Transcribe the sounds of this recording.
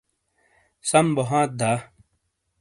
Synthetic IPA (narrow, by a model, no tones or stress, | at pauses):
sɐmboɦãːt̪̚d̪aː